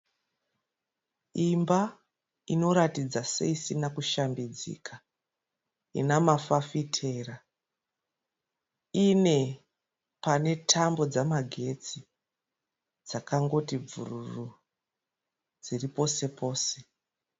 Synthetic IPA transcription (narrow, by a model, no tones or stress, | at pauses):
imba | ino̞ɾatid͡zasḛisinakuʃambid͡zḭːkʰa | ḭnamafafitʰe̞ːra | ine̞ | pane̞tʰambo̞d͡zamaɡʱe̞t͡si | d͡zakaŋɡo̞tib͡vṵruru | d͡ziripo̞se̞po̞ːse̞̥